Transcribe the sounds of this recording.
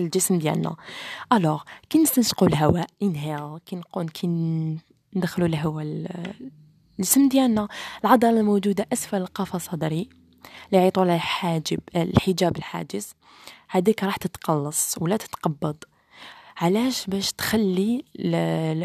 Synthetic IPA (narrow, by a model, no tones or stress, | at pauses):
ld͡ʒəsmd̪jæ̰lnæ̰ʔælɑɣkinəsənsqulɦæwæʔənɦækinqunkʰin | nd̪xlulɦəwæ | əsmd̪jælnæəlʕɑd̪ˤɑɾˤɑlmud͡ʒud̪aʔæsfæləlqɑfɑsˤɑd̪ɾi | liʕit̪ˤulaħad͡ʒəbħəd͡ʒæbəlħa̰d͡ʒəs | hæd̪ikɾˤɑħt̪ət̪qɑlːɑsˤwlæt̪ə̥t̪qɑbːɑd̪ˤ | ʕalæʃbæʃt̪xælːi